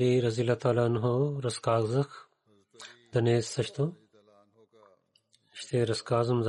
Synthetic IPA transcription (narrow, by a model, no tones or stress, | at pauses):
iɾɐzilɐt̪aːlaːnɦoɾɐskaːɡzɐx | d̪ɐneːsːɐɕt̪o | ɕt̪ʰeːɾɐskaːzumz